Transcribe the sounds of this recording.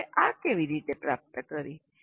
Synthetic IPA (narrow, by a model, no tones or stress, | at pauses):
eʔakeʋiɾit̪epɾap̚t̪əkəɾi